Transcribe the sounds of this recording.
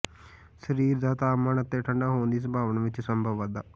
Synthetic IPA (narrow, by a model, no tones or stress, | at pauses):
səɾiːɾd̪aːt̪aːmənət̪ːeːʈʰəɳɖaːɦoːnd̪iːs̬əbʱaːʋənʋɪt͡ʃsəmbʱəʋad̪aː